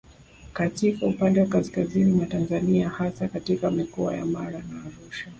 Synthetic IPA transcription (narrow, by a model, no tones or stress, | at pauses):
katikaupandɛwakaskazinimatanzaniahasakatikamikɔa̰ja̰maɾanaːɾuʃa